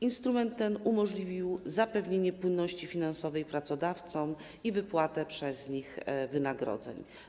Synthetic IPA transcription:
inst̪ɾumɛnt̪ːɛnumɔʐlʲivʲiwzapɛvɲeɲɛpwɘnːɔɕt͡ɕifʲinansɔvɛjpɾat̪sɔd̪aft̪sɔm | ivɘpwat̪ɛpʂɛzɲixvɘnaɡɾɔ̰d̪zɛ̰ɲ

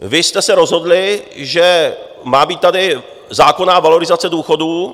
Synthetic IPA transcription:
vɪst̪ɛsɛɾo̞zɦo̞dlɪʒɛ | maːbiːt̪t̪ːadɪ | zaːko̞naːvalo̞ɾɪzat͡sɛduːxo̞duː

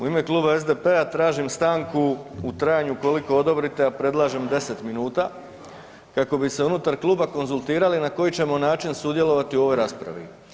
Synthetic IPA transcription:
uime̞kluːbae̞zd̪e̞peat̪ɾaːʒimst̪aːŋkuut̪ɾajaɲuko̞liko̞od̪o̞bɾit̪e̞apɾe̞d̪lˠaːʒemd̪e̞se̞t̪minuːt̪a | kako̞bise̞unut̪aɾklˠuːbako̞nzulˠt̪iːɾalinako̞jit͡ɕe̞mo̞naːt͡ʃinsud̪je̞lo̞ʋat̪iuo̞ʋo̞jɾaːspɾa̰ʋḭ

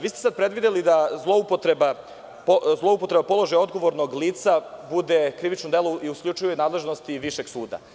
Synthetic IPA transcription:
ʋiːst̪esad̪̚pɾe̞d̪ʋid̪elid̪azlˠo̞upot̪ɾeba | pozlˠo̞upo̞t̪ɾe̞bapo̞lˠoʒajo̞d̪ɡo̞ʋo̞ɾnoɡliːt̪sabud̪ekɾiʋit͡ʃnod̪elˠoiuskʎʲut͡ʃujunaːd̪le̞ʒnost̪iʋiʃe̞ɡsuːd̪a̰

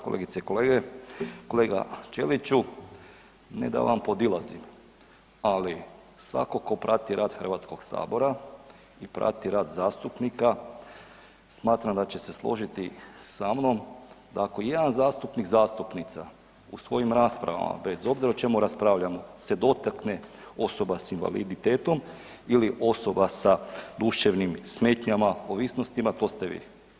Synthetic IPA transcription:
kolḛːɡit̪seiko̞leːɡeko̞leːɡa̰t͡ʃe̞lit͡ʃu | nḛd̪a̰ʋa̰mpo̞d̪ilazḭm | ali | sʋa̰ko̞ko̞pɾat̪iɾʔaːd̪xər̩ʋat̪sko̞ɡsa̰ːbo̞ɾa | ipɾa̰t̪iɾaːd̪zaːst̪upnika | smaːt̪ɾamd̪at͡ɕe̞se̞slˠo̞̰ʒit̪isamno̞md̪aːkojed̪anzaːst̪upnikzaːst̪upnit̪sa | ṵsʋo̞jimɾaːspɾa̰ʋa̰ma̰be̞zo̞bziɾaot͡ʃe̞muɾaspɾaːʋʎamose̞d̪o̞t̪akne | o̞so̞basinʋa̰lḭd̪it̪eːt̪o̞m | iliʔo̞so̞basad̪uʃeʋnimsme̞ːt̪ɲamaoʋiːsno̞st̪imat̪o̞ːst̪eʋḭ

